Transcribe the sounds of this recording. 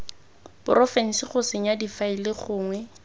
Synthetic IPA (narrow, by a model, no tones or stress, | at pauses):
pʊrɔfɛn̩siχʊsɪɲjadifailɪχʊːŋwɛ